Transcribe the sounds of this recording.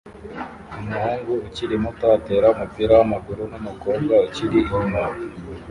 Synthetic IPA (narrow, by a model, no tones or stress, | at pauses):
umuhuŋɡuuciɾimutate̞ːɾaumupiɾawamaɡuɾunomukoːbɡauciɾiʔima